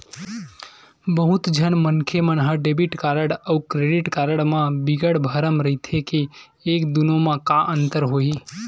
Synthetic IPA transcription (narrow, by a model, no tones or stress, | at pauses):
bəɦʊt̪d͡ʒʱənmənkʰemənɦəɖebiʈkaːɾəɽəukɾeːɖɪʈkaːɾəɽmãbɪɡəɽbʱəɾəmɾəɦit̪ʰeke | eːkd̪unõmãkaʔə̃nt̪əɾɦoːiː